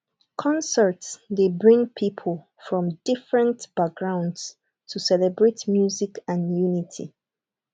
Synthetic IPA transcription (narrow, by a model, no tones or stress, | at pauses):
kʰɔ̃nsə˞tsdebɹĩŋpʰipʰəlˠ | fɹɔ̃mdɪfɹə̃ntb̥ak̚ɡ̥ɹãʊ̃nds | tʰusɛlɛbɹetmjuzikãnjunitʰḭ